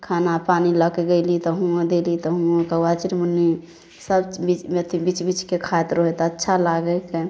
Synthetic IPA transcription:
kʰanapaniləkeɡəɪlit̪ɔɦũãd̪elit̪ɔɦũõkəwat͡ʃiɾmənːi | səbbit͡ʃet̪ʰibit͡ʃbit͡ʃkekʰat̪ɾoɦet̪ɔətːʃʰalaɡəke

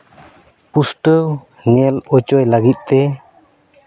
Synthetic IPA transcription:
pusʈəw | ɲɛlɔt͡ʃɔjlaɡit̪̚ˀt̪ɛ

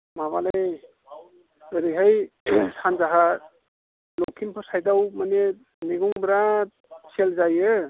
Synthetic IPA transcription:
maβalej | ɯɾiɦajsanzaɦa | lɔkʰimpʰɔsajdawmane | niɡuŋbɾa | t͡ʃʰelzajɯ

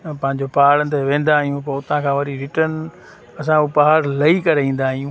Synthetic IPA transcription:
pɐ̃ɦɪ̃ɲd͡ʑopaːɽənt̪eʋẽːn̆d̪aːɦijũpɐʊt̪ãkʰãːʋɐɾiɾɪʈən | ɐs̬ãupaɦaɾlɐikɐɾeĩːn̆d̪aːɦijũː

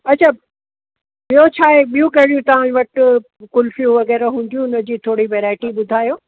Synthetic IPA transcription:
ɐtːt͡ɕʰaː | ɓijot͡ɕʰaːɦeɓijũkɐɦɪɽijũt̪ɐʋ̤ãʋɐʈ | kʊlfijũʋɐɣɛːɾaɦũːnd̪ijũnɐd͡ʑiːt̪ʰoːɽiʋeːɾaːɪʈiɓʊd̪ʱaːjoː

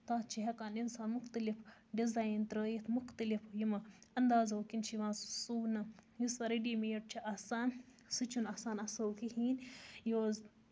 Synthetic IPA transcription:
t̪aːt̪̚t͡ʃʰiɦɐkaːninsaːnmʊxt̪əlifɖizaːjint̪ɾəjit̪ʰmʊxt̪əlifjimɐɐnd̪aːzoːkint͡ʃʰiʋãːnssuːnɐjisʋɐɾiɖiːmiːʈ̚t͡ʃʰiʔaːsaːn | sɨt͡ʃʰunaːsaːnɐsɐwkiɦiːnjoːz

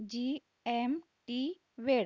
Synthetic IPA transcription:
d͡ʒi | em | ʈi | ʋeɽ

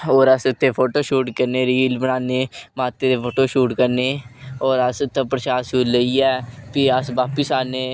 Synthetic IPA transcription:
oːɾəsʊt̪ʰːeːpʰoːʈoːʃuːʈkəɾneːɾiːlbəɽaːneːmaːt̪eːd̪eːpʰoːʈoːʃuːʈkəɾneːoːɾəsʊt̪ːãːpɾəʃaːsuːləiːɛːpiəsʋaːpəsaːnẽː

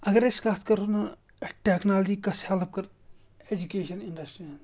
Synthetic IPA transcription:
ɐɡəɾɪskaːt̪kɐɾona | ʈeːknaːld͡ʒiːkɐshɛlp̚kɐɾ | ed͡ʒukeːʃɐnɪɳɖɐsʈɾian

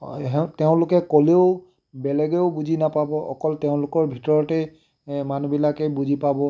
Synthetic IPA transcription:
ɦɛteʊ̃lʊkɛkoleʊ | bɛlɛɡeʊbuzinapabɔʔɔ̰kɔlteʊ̃lʊkɔɹbʱitɔɹɔtɛ | manubilakɛbuzʱipabɔ

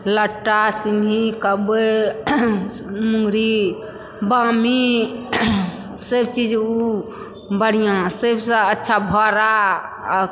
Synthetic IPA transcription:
ləʈːasiŋɡʱikəbe | mũŋɡɾi | bami | səbt͡ʃid͡ʒu | bəɽ̤ijãsebsə̃ətːʃʰabʱɔɾa

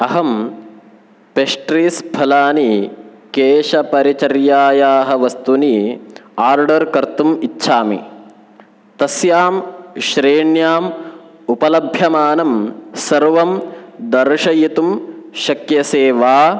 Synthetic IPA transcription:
ɐɦɐm | peʂʈɾiːsbʰʱɐlaːni | keːʃɐpɐɾit͡ʃɐɾjaːjaːɦɐʋɐst̪uniaːɾɖɐɾkɐɾt̪umitːʃʰaːmḭ | t̪ɐsjaːmʃɾeːɳjaːm | upɐlɐbʱjɐmaːnɐmsɐɾʋɐmd̪ɐɾʂɐjit̪umʃɐkjɐseːʋaː

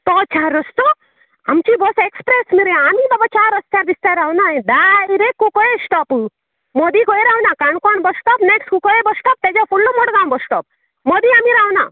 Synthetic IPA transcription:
t̪ɔt͡ʃʰaːɾɔst̪ɔ | amt͡ʃibɔsekspɾesmiɾeamibɐbɐt͡ʃaɾɔst̪aɾbist̪aɾawnad̪aiɾekːukɔesʈɔpɨ | mod̪ikojɾawnakaɳkɔɳbɔsʈɔpnekskukɔebɔsʈɔp̚t̪ed͡ʒɔpʰulːomɔɽɡãwbɔsʈɔp̚ | mod̪iaːmiɾawna̰

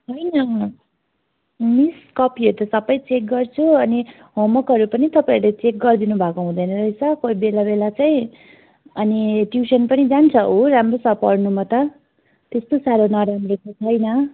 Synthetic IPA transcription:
ɦʌjnʌ | miskʌpiʌɾut̪ʌsʌbʌjt͡sek̚ɡʌrt͡sʰuʌni | ɦomʌkɦʌɾupʌnit̪ʌpaiɾulet͡sek̚ɡʌrd̪inubʱakoɦũd̪ʌjnʌɾʌit͡sʰʌkojbelabelat͡saĩ | ʌniʈjusʌnpʌnid͡zant͡sʰʌoɾamrosʌpʌrnumʌt̪ʌ | t̪est̪osaɾonʌɾamrokot͡sʰʌjnʌ

